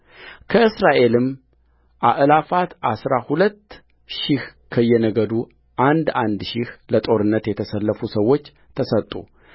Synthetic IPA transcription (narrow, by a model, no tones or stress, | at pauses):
kʰəɨsɾaʔe̞lɨm | ʔaʔlafat̪ʔasɾahulət̪ː | ʃɪhkʰəjːɛnəɡəd̪u | ʔand̪and̪ʃɪhlət̪ʼo̞ɾɨnːət̪jɛt̪ʰəsəlːəfusəwːo̞t͡ʃː | t̪ʰəsət̪ʼːṵ